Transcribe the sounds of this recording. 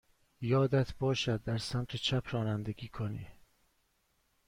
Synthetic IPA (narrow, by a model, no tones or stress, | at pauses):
jɒːd̪æt̪ʰbɒːʃæd̪̚ːæɾsæmt̪ʰet͡ʃʰæpʰɾɒːnænd̪eɡʲiːkʰoniː